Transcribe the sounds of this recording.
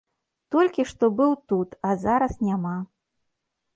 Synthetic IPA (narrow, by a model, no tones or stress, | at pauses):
t̪ɔlʲkʲiʂt̪ɔbɨwt̪ut̪ɐzaɾɐsnʲama